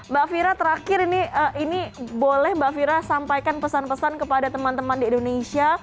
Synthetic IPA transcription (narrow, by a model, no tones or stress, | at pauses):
baʔfiɾat̪əɾakɪɾiniəʔinibolɛhbaʔfiɾasampajkanpəsanpəsankəpadat̪əmant̪əmandiːndonesia